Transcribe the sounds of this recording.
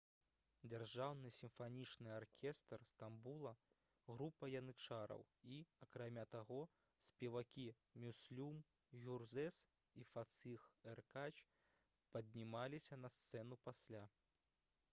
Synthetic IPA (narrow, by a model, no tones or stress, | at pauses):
d͡zʲarʐawnɨsʲimfanʲit͡ʂnɨarkʲʰɛst̪rst̪ambulˠɐ | ɣɾupːɐjɐnɨt͡ʂaɾɐ̰w | iɐkɾamʲat̪aɣɔ | sʲpʲɛvakʲi | mʲusʲlʲum | ɣʲurzɛs | ifat̪sɨxɛrkat͡ʃ | pɐdʲnʲimalʲisʲɐnɐst̪sɛnupasʲlʲa